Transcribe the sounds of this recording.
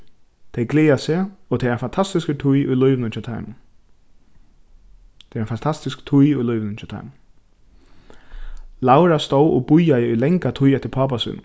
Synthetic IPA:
t̪ʰejɡleːaseɔt̪ʰɛɪɾanfant̪ʰast̪ɪskət̪ʰʊjʊ̰jlʊjʋɪnɪnt͡ʃʰɛt̪ʰa̰ɪm | t̪ʰɛɾanfant̪ʰast̪ɪskt̪ʰʊjʊjlʊjʋnɪnt͡ʃʰɛt̪ʰa̰ɪm | lawɾast̪owʔɔbʊjajɪʊjlɛŋkat̪ʰʊjɛt̪ːɪɾpʰaːpasṵːn̰

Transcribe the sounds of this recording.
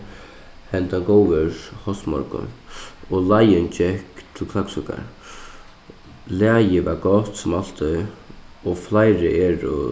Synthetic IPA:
hɛnt̪aɡowʋəɹhɔst̪mɔ̰ɾkʊ̰nɔlajənt͡ʃɛhkt̪ʰɪlkʰlaksʊka̰ɾ | laːjɪʋaɾɡɔt̪sʊmal̥t̪ɪ | ɔflajɾɪʔɛːɾʊ̰

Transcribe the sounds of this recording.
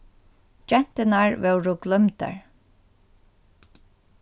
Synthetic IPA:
d͡ʒɛn̥t̪ɪnaɹvɛwɾʊɡlœmt̪ə̰ɹ

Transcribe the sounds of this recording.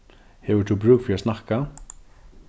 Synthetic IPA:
hɛvʏt̪ʰubɾʉːkfɪɾasnahka

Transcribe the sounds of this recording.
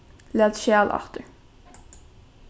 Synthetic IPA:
leːd̪ʃæːlɑ̰ʁt̪ə

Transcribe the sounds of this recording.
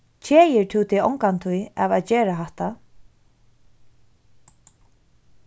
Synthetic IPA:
t͡ɕʰɛːjɪɹt̪ʰuːt̪ʰɪɔ̰wŋkant̪ʰuja̰vaðt͡ɕɛːɾaɦaht̪a

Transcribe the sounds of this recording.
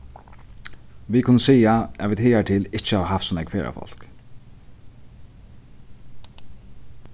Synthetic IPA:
ʋiːkʰʊnːəsiːaɛʋiːt̪hɪːaʈʰɪlɪt͡ʃəaʋɦɑfsɔmɛɡkfeːɹʔa̰fɔ̰l̥k

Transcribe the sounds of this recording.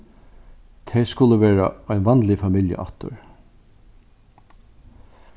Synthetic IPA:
t̪ʰɛskʊlːəʋɛːɹa̰ɔjnʋɑnlɪfamɪljə̰ʔa̰ht̪ʊ̰ɹ

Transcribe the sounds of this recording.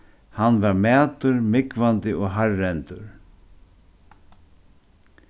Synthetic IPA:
hanvaɾmæːt̪ʊɾmɪkvant̪ɪʔɔɣɦarːɛnt̪ʊɾ̥

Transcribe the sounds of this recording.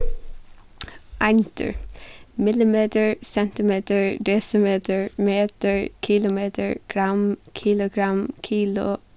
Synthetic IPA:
ʔant̪ʰə̰ɹmɪlɪmeːt̪əɹsɛnt̪ɪmeːt̪əɹd̪eːsəmeːt̪əɹmeːt̪əɹkʰɪlʊmeːt̪ʰə̰ɹɡ̥ɹamkʰilʊɡɹamkʰiːlʊ̰

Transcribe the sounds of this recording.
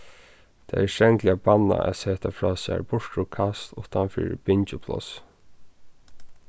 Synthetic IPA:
t̪ʰaɛʂɛŋklɪabanːa̰ɛseːt̪afɹɔːsɛːɹbʊɹʈ̪ɾukʰast̪ʊht̪anfḭːɾɪb̥ɪnt͡ʃʊpʰlɔ̰s

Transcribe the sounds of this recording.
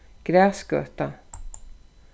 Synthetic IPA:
ɡ̥ɾæːsɡ̥ø̰ːt̪a

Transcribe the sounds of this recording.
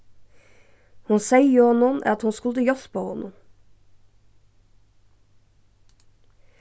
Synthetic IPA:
hʊnsæɪjʊhɔnʊnʔæ̰ɑt̪hʊnskʉləjɔspʰoːhɔ̰nʔʊ

